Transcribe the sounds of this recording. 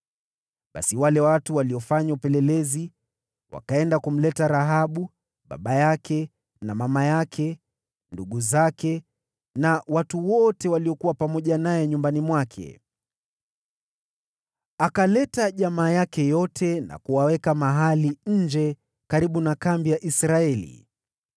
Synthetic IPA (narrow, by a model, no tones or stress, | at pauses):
ɓa̰siwalɛwatuwaliɔfaɲaupɛlɛlɛzi | wa̰kaɛndakum̩lɛtaɾaɦaɓu | ɓa̰ɓajakʰɛ | namamajakʰɛ | nduɠuzakʰɛ | nawatuwɔtɛwaliɔkuwapamɔʄanajɛɲumbanimwakʰɛ̰ | akalɛtaʄamaːjakɛjɔtʰɛna̰kuwawɛkamaɦaliɲ̩d͡ʒɛ | kaɾiɓunakambijaʔisɾaɛlḭ